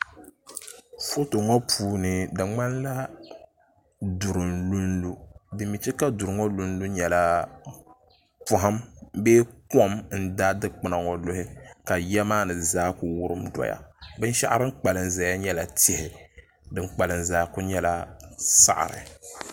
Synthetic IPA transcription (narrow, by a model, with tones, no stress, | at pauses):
fo˦to˨ŋɔ˦pʰuː˦nɨ˨dɨ˨ŋ͡ma˦nla˦ | du˨ɾɨ˨nlu˦nlu˦bɨ˨mi˨t͡ʃi˦ka˦du˨ɾɨ˨ŋɔ˦lu˦n˦lu˦ɲɛ˨la˦ | pʊ˦ɦa˦mbeː˦kɔ˦mn̩˦da˦dɨ˦k͡pɨ˦na˨ŋɔ˨lʊ˦hɪ˦ka˨jɛ˦maː˦nɨ˨zaː˦ku˨wʊ˦ɾɨ˦mdɔ̰˨ja̰˨bɨ˦n˦ʃa˦ʔa˦ɾɨ˦ŋ˦k͡pa˨lɨ˨nza˨ja˦ɲɛ˦la˨tɪ˦hɪ˨ | dɨ˨ŋ͡mk͡pa˨lɨ˨nzaː˦kʊ˦ɲɛ˦la˦sa̰˦˨ʔa̰˨ɾɨ̰˨